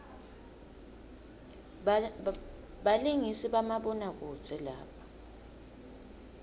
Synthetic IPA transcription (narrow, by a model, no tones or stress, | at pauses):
ɓaliŋisiɓamaɓɔnak̬u̥zʰɛla̰ːpʰḁ